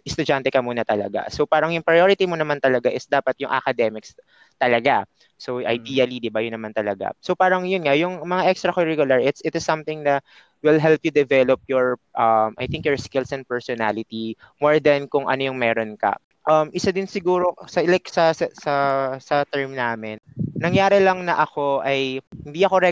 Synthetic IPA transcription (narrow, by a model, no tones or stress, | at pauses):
ʔɪst̪ʊd͡ʒant̪ɛkɐmuːnɐt̪ɐlɐ̰ɡa̰sopaːɾɐŋjʊŋpɾɐjoɾɪt̪imonɐmant̪ɐlɐɡaʔɪsd̪aːpɐt̪̚jʊŋʔɐ̰kɐd̪ɛmɪks | t̪ɐlɐɡa | soʔɐ̰jd̪iːɐlid̪ɪbajʊnɐmant̪ɐlɐɡa̰sopaːɾɐŋjʊnŋajʊŋmɐŋaʔɛkst̪ɾɐkoɹiɡʊlɐɹʔɪt̪sʔɪt̪ɪsːɐmθɪŋd̪ɐt̪ | wɪlɦɛlpjʊd̪ɛvɛlop̚jɔɹʔɐmʔɐ̰jθɪ̃ŋkjɔɹskɪlsɛ̃nd̪pɛɹsɔna̰lɪt̪i | moɹd̪ɐnkʊŋʔɐ̰nojʊŋmɛːɾonkɐ̰ | ʔɐmʔɪsad̪ɪnsɪɡuːɾosɐlɛksɐsɐsɐsɐt̪ɛɹmnaːmɪnnɐŋjaːɾɪlɐŋnɐʔɐko̞ʔɐjhɪnd̪iːɐkoɾɛ